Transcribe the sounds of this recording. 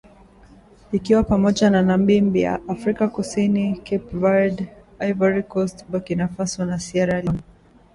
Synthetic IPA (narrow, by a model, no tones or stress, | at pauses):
ikiwapamɔʄananam̩bim̩bija̰ʔafɾikakusinikʰɛpvad | ajvaɾikɔstbakinafasiwanasiaɾalɔni